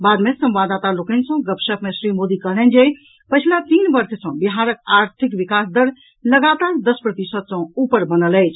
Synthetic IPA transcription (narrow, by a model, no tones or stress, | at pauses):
bad̪mesə̃mʋad̪at̪alokənsə̃ɡəpsəpmesɾimod̪ikəɦlɛnd͡ʒe | pəɪt͡ʃʰlat̪inbəɾsʰsə̃biɦaɾəkaɾt̪ʰikʋikasd̪əɾ | ləɡat̪aɾd̪əspɾət̪isət̪sə̃upəɾbənələjt͡ʃʰ